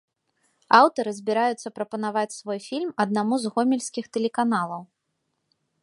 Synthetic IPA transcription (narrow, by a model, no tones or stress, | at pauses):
awt̪ɐɾɨzʲbʲiɾajut̪sːɐpɾɐpɐnavat͡sʲsvɔjfʲilʲmɐd̪̚namuzɣɔmʲɛlʲsʲkʲixt̪ɛlʲɛkanalˠɐw